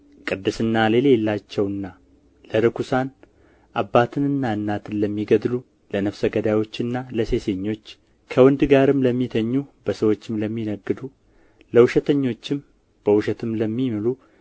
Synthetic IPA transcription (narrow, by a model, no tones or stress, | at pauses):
kʼɨd̪ːɨsɨnːale̞llːat͡ʃːɛwɨnːa | ləɾɨkʰusan | ʔabːat̪ʰɨnɨnːaɨnːat̪ʰɨnləmːiɡəd̪lu | lənəfsəɡəd̪awo̞t͡ʃːɨnːaləse̞seɲːo̞t͡ʃː | kʰəwɔnd̪ɡaɾɨmləmːit̪ʰəɲːub̥əsəwo̞t͡ʃːɪmləmːinəɡːɨd̪u | ləwʊʃɛt̪ʰəɲːo̞t͡ʃːɪm | b̥əwʊʃɛt̪ʰɨmləmːimɨlu